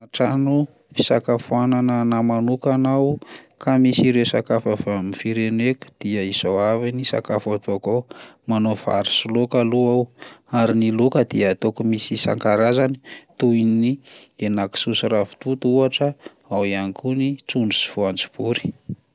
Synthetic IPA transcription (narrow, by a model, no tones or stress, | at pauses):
aʈ͡ʂanu | fi̥sakafuananənamanukanawkamisiɾesakafəfamifiɾeneku̥d̪̥iəizowavinisa̰kafat̪oakamanofa̰ɾi̥sulokaluawaɾinilukəd̪iət̪okumisisa̰ŋkaɾazani̥t̪uinnienaki̥susiɾavi̥t̪ut̪uaʈ͡ʂə | awianikʰunit͡sunɖ͡ʐusi̥v̥oant͡si̥b̥uɾi̥